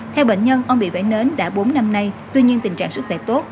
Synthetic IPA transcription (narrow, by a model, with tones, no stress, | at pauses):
t̪ʰɛ˧wɓḛ˧˨ŋ̟ɲə˧nʔə˧wŋ͡mɓḭ˧˨vaː˧˩jne˨˦nɗa̰ː˧˥ɓo˨˦nːa˧mna˧jt̪wi˧ɲi˧ənt̪ï̟˨˩t͡ɕa̰ː˧˨ŋsɨ˦˥k̚xwɛ˧˩t̪o˦˥t̚